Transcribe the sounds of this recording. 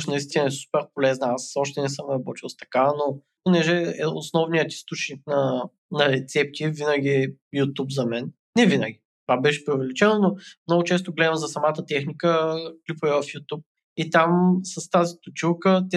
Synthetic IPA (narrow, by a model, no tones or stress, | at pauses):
ʃnɐist̪inɐɛsu̥pɛɾpolɛznəasɔʃt̪ɛnɛsəmɾɐbɔt̪ilˠst̪ɐ̥kano | ponɛʒɛɛosnɔvnijət̪i̥st̪ut͡ʃnik̚nɐ | nɐɾɛt̪sɛp̚t̪ivinəɡʲiɛjut̪upzɐmɛnːɛvinə̰ɡʲit̪vabɛʃɛ̥pɾʲiʊvɛlit͡ʃɛnonomnɔɡʊt͡ʃɛs̬t̪oɡlɛd̪əmzɐsɐmat̪ət̪ɛxnikəklipoɛvɐfjut̪up̚ | it̪amsɐst̪azit̪ʊt͡ʃilˠkət̪ɛ